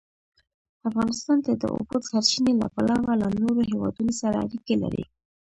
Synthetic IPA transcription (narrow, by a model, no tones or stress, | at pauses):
afɣɑnɪst̪ɑnt̪ad̪ə̰ʔo̰bot̪saɾt͡ʃinela̰palɑwalanoɾohewɑ̰d̪unosaɾaa̰ɾikela̰ɾḭ